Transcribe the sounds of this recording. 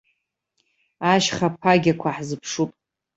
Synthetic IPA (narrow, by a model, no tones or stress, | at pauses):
aʃχapʰaɡʲakʷʰaħzɨpʰʂupʼ